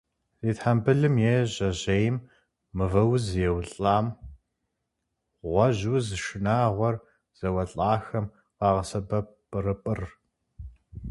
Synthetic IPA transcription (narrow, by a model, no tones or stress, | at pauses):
ziːtħambɨɮɨmjeʑɐʑejmː | ɨvɐwzjɛwɬʼaːm | ʁʷɔʑuzʃɪnaːʁʷɔr | z̥ɐwɐɬʼaːxɐm | qɑːʁɐsɐbɐpʼɨrɨpʼɨr